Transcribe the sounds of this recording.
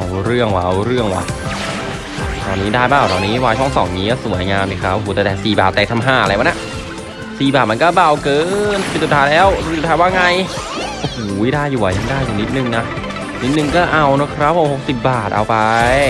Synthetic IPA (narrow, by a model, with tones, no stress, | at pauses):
ʔa˧˩wɾɯ˥˩əŋwa˧ʔɾɯ˥˩əŋwa̰˧˩ | t̪ɔː˧nːiː˦˥daː˥˩jbaː˥˩wt̪ɔː˧˩nːiː˦˥waː˧jt͡ɕʰɔ˥˩ŋsɔ̰˩˦ŋniː˦˥kɔ˥˩su˩˦əjŋaː˧mdiː˧˩kʰɾa˦˥p̚ʔoː˧˩ɛː˨˩tɛː˨˩siː˨˩baː˨˩t̪ɛː˨˩t̪ʰa˧mɦaː˥˩ʔa˧a˧jwa˧˥nːa˧˩ʔ | siː˨˩baː˨˩ma˧nkɔː˥˩ba˧˩wkɤː˧n˩pe˧nsu˨˩t̪ʰaː˧˥jlɛː˦˥˩wu˨˩t̪ʰaː˧waː˥˩ŋa˧j | ʔo˧hoː˨˩˦jdaː˥˩jːuː˨˩wa˨˩ja˧˩ŋdaː˥˩juː˨˩ni˦˥t̪̚nɯ˧ŋna˦˥ | ni˦˥t̪̚nɯ˨˩ŋkɔː˥˩ʔa˧wnɔ˦˥kʰɾa˦˥p̚haː˧˩ho˨˩k̚si˨˩p̚baː˨˩t̪̚ʔa̰˧wpa˧j